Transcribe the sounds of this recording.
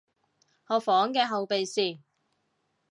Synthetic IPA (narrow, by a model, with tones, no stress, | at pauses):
hɔː˨˧fɔː˨˥ŋkɛː˧ɦɐ˨wpe˨jsiː˨˩